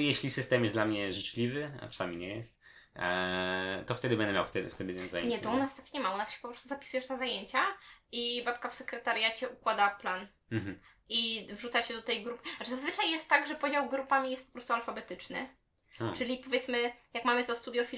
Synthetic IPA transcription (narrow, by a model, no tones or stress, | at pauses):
jeɕlʲisɘst̪ɛmjɛsd̪lamɲɛʐɘt͡ʂlʲivɘa̰ʈ͡ʂḁsamʲiɲɛjɛst̪ | t̪ɔft̪ɛd̪ɘbɛnd̪ɛmʲja̰wft̪ɛd̪ft̪ɛd̪ɘt̪ɛnzajḛɲɛt̪ɔunast̪akɲɛmaunasɕɛ̥pɔpɾɔst̪uzapʲisujɛʂnazajeɲt͡ɕaibapkafsɛkɾɛt̪aɾʲjat͡ɕɛʔukwad̪aplan̩ | mm̩ | ivʐut̪sat͡ɕɛd̪ɔt̪ɛjɡɾupɘazazvɘt͡ʂajːjɛst̪ːaɡʐɛpɔd͡ʑawɡɾupamʲijɛst̪pɔ̥pɾɔst̪ualfabɛt̪ɘt͡ʂnɘ̰ | ɔt͡ʂɘlʲipɔvjɛt̪smɘjakmamɘt̪ɔst̪ud̪ʲjɔfʲi